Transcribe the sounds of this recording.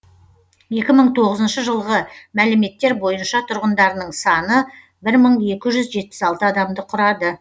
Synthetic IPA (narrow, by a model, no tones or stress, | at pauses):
je̞kʲɪməɴt̪ʰo̞ʁəzənʃəʒəlˠʁəmælɪme̞t̪ːe̞ɾbo̞jənʃɑt̪ʰʊɾʁənd̪ɑɾənəɴsɑnə | bɪɾməɴe̞kʲɪʒʏzʒe̞t̪̚pɪ̥sɑlˠt̪əɑd̪ɑmd̪əqʰʊɾɑd̪ə